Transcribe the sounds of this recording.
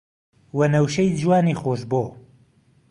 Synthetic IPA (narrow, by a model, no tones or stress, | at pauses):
wɐnɐwʃejd͡ʒwaːniːxoːʃboː